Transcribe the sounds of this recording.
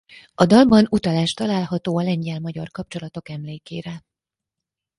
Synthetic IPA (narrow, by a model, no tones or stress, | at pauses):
ɒd̪ɒlbɒnut̪ɒlaːʃt̪ɒlaːlɦɒt̪oːɒlɛɲɟɛlmɒɟɒrkɒp̚t͡ʃo̞lɒt̪o̞kɛmleːkeːɾɛ